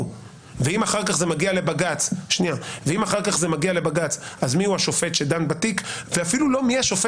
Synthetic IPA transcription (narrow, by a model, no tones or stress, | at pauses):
veimaχaʁkaχzemaɡiale̞baɡat͡sʃniaveimaχaʁkaχze̞maɡiale̞baɡat͡sazmiuhaʃo̞fe̞t̪ʃed̪anbat̪ikveafilulo̞miaʃo̞fe